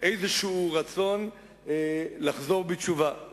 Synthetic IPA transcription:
ʔejzeʃeuʁat͡so̞n | laχzo̞ʁbet͡ʃuva

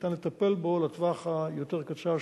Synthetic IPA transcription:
t̪anlet̪ape̞lbolat̪vaχajo̞t̪eʁkat͡ʃa

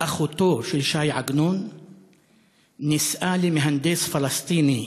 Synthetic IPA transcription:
ʔaχot̪oʃelʃajʕaɡnon | isʔalemeɦand̪esfalast̪ini

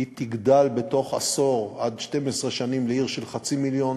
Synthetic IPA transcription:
it̪iɡd̪albe̞t̪o̞χa̰so̞ʁad̪ʃte̞mesʁeʃanimleiʁʃe̞lχat͡similjo̞n

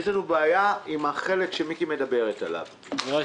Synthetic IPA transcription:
zlanubeːjaimaχe̞le̞kʃemikime̞d̪abe̞ʁet̪a̰la̰v

